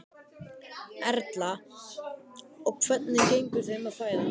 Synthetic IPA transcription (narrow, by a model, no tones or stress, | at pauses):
ɛɾt̪la | ɔɣkʰv̥ɛt̪̚nɪcejŋkʏθɪmaðfaːjða